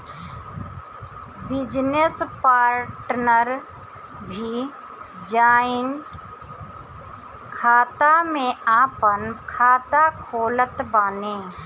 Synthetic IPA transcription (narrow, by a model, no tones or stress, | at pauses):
bɪd͡ʒnespaːɾʈnəɾ | bʱi | d͡ʒaːɪn | kʰaːt̪amẽaːpənkʰaːt̪akʰoːlət̪baːnẽː